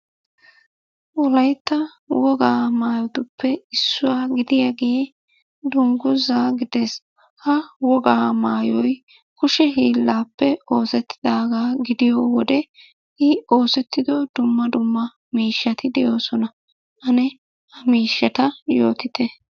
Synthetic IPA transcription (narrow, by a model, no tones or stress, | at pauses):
ʔɔlɐjt̪ːɐ | wɔɡaːmaːjɔt̪ʊpʰːɛɪsːʊwaːɡɪd̪ɪjaːɡe | d̪ʊŋɡʊzaːɡɪd̪ɛs | hɐwɔɡaːmaːjɔj | kʊʃɛɦiːlːaːpːɛo̞ːsɛt̪ːɪd̪aːɡaːɡɪd̪ɪjowɔd̪ɛ | ʔɪo̞ːsɛt̪ːɪd̪ɔd̪ʊmːɐd̪ʊmːɐ | miːʃːɐt̪ɪd̪ɛjo̞ːsɔnɐ | ʔɐnɛ | hɐmiːʃːɐt̪ɐjo̞̰ːt̪ɪt̪ɛ